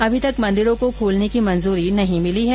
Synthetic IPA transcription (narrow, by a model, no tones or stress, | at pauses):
ɐbʱit̪ɐkmɐ̃nd̪ɪɾõkokʰoːlnekimɐ̃nzuːɾinɐɦĩmɪliɦɛː